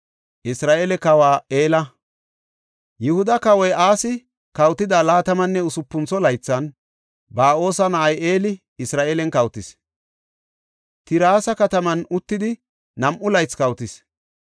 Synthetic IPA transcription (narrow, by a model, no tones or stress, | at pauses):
ʔɪsɾaːʔelɛkɐwaːe̞ːlɐ | jʊhʊd̪ɐkɐwɔjaːsɪ | kɐwt̪ɪd̪aːlaːt̪ɐmɐnːɛʊsʊpːʊnt͡sɔlɐjt͡sːɐn | baːʔo̞ːsɐnɐʔɐje̞ːlɪ | ɪsɾaːʔelɛnkɐwt̪ɪs | t̪ɪɾaːsɐkɐt̪ɐmɐnʊt̪ːɪd̪ɪ | nɐmʔʊlɐjt͡skɐwt̪ɪs